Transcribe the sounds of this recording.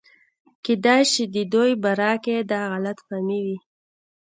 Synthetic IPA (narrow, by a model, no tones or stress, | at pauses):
ked̪ɑjʃid̪əd̪ojbaɾɑked̪ɑɣalat̪famiwi